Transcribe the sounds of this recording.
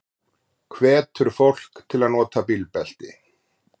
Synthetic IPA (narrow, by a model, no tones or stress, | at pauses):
kʰvɛːt̪ʰʏɾʏfowl̥kt̪ʰɪlaðnɔːt̪apilpɛl̥t̪ɪ̰